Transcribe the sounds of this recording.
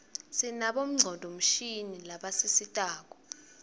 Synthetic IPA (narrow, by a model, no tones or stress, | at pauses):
sinaɓom̩ŋ͡ǀʱɔndʱɔm̩ʃinilaɓasisitʼaːk̬ɔ̥